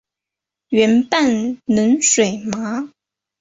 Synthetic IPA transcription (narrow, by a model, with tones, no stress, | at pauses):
ɥɛ˧˥npa˥˩nnə˧˥nʂwe˨˩ɪma˧˥